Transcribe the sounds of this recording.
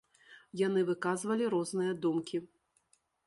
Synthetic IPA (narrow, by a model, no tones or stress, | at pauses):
jan̪ɨvɨkazvɐlʲiɾɔznɨjɐd̪umkʲi